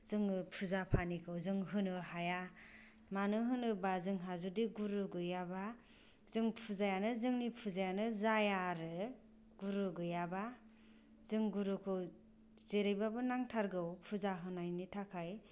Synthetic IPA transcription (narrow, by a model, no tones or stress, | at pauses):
zɯŋɯpʰuzapʰanikʰɯwzɯŋɦɯnɯhaja | manɯɦɯnɯbazɯŋɦazudiɡuɾuɡɯjaba | zɯŋpʰuzajanɯzɯŋnipʰuzajanɯzajaɾɯ | ɡuɾɯɡɯjaba | zɯŋɡuɾukʰɯw | zeɾɯjbabɯnaŋtʰaɾɡɯwpʰuzaɦɯnajnitʰakʰaj